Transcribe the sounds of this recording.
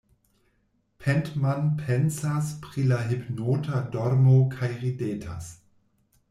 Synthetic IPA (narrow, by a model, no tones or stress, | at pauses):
pʰɛntmanpʰensaspɾilaɦipnoːtʰadɔɾmokʰajʁideːtʰa̰s